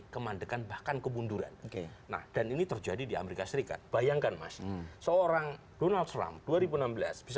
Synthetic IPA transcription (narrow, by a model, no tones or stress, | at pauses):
kəmandəkanbahkankəbunduɾa̰nkena̰hd̥aninit̪ərd͡ʒadidia̰meɾikasəɾika̰t̪̚b̥ajaŋkanma̰ssəoɾaŋ | donald̪̚t̪ɾa̰mpd̥uaɾibunambəla̰sb̥is